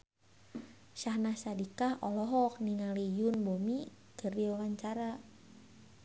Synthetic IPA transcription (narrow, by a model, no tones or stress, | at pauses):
ʃahnahsadikahɔlɔɦɔk̚niŋalijʊnbomi | kərdiwawaɲt͡ʃaɾa